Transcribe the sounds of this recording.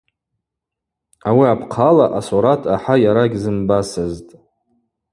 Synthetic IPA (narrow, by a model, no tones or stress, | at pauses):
awiapʰqʰalaʔasoɾatʰaħajaɾaɡʲzɨmbasaztʼ